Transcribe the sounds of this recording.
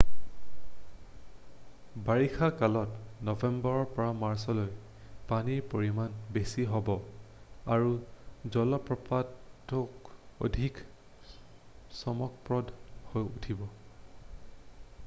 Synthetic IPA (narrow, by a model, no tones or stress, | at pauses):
baɹikʰakalɔtnɔvɛmbɔɹɔɹpɔɹamaɹsɔloj | paniɹpoɹimanbesiɦɔbɔ | aɹuzɔlɔpɹɔpatːɔko̰dʱik | sɔmɔk̚pɹɔdhojṵtʰibɔ